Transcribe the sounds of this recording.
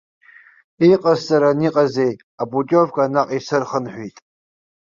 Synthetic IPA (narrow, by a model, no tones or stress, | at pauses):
iqʼazt͡sʼaɾaniqʼaze̞j | abukʲʼovkʼanaqʼisɨrχənħʷᶣitʼ